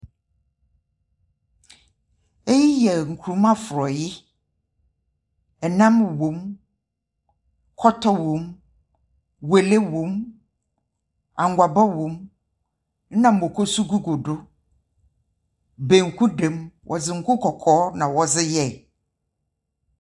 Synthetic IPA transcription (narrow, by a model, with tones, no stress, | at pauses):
e˦ji˦jɛ˨ŋ̩˨kʰu˨ɾu˨˦mã˦fʊ˨ɾɔ˨jɪ˦ | ɛ˨nã˦mwõ˨m | kʰɔ˦tʰɔ˦wõ˨˦m | we˨le˦wõ˨˦m | ã˨ŋ˨ɡʷa˨ba˦wõ˨˦m | n̩˦nã˨m̩˨bo˨kʰo˦su˦ɡu˦ɡo˨dʊ˦ | be˨ŋ̩˨kʰu˦dẽ˨˦mwʔɔ̰˨d͡zɪ˨ŋ̩˦˨kʰʊ˦kʰɔ˨kʰɔː˨˦nã˨wɔ˨zɪ˦jɛ˦˨